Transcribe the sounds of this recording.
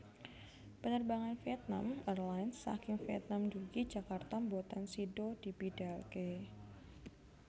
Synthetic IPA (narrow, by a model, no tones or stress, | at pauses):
pənərbaŋanfiɛt̪̚na̰mɛrlajnsːa̰kɪŋfiɛ̰t̪̚namd͡ʒuɡid͡ʒakart̪ambot̪ansidod̥ibidalke